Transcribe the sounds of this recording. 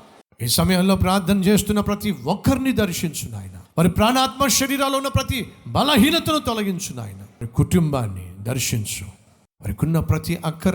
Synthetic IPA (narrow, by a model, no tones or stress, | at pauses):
iːsɐmɐjɐmlo̞ːpɾaːɾt̪ʰːɐnɐt͡ʃe̞ːst̪unːɐpɾɐt̪iʋɔkʰːɐɾnid̪ɐɾʃiɲt͡ʃuna̰ːjɐnɐʋɐɾipɾaːnaːt̪mɐʃɐɾiːɾaːlounːɐpɾɐt̪ibʱɐlɐɦiːnɐt̪ɐnut̪ɔlɐɡiɲt͡ʃuna̰ːjɐnɐɐɾikuʈumbaːnːḭd̪ɐɾʃiɲt͡ʃu | ʋɐɾikunːɐpɾɐt̪iʔɐkʰːɐɾ